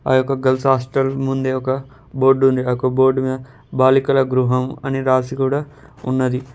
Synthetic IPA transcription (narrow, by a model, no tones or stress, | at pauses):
ɐ̰jʊkɐɡɐlsɦaːsʈɐlmũnd̪eʊkɐ | boːɾɖũːnd̪ɐkoboːɾɖmẽ | baːlikɐlɐɡɾuɦɐmɐ̰niɾaːsikuɽɐ | unːɐd̪i